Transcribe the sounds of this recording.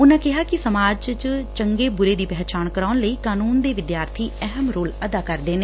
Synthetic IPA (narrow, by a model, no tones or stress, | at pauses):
ʊnãːkɪɦaːkɪsəmaːd͡ʒt͡ʃt͡ʃəŋɡeːbʊɾeːd̪iːpɛːt͡ʃaːnkəɾaːʊnləiːkaːnuːnd̪eːʋɪd̪jaːɾt̪ʰiːɛɦəmɾoːləd̪aːkəɾd̪eːneː